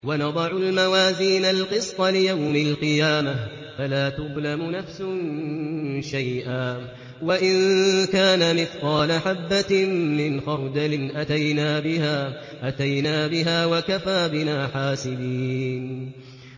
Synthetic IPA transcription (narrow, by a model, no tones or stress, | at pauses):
wanɑd̪ˤɑʕʊlmawaːziːnalqɨst̪ˤɑlɪjawmalqɨjaːma | falaːt̪ʊðˤlamʊnafsʊn | ʃajʔaː | waʔɪnkaːnamɪθqɑːlaħabːamːɪnxɑɾˤd̪alɪnʔat̪ajnaːbɪhaː | ʔat̪ajnaːbɪɦaːwakafaːbɪnaːħaːsɪbiːn